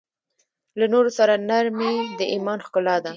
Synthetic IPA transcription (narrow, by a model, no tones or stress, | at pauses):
lanoɾosaɾanaɾmed̪əʔimɑnxkʊlɑd̪a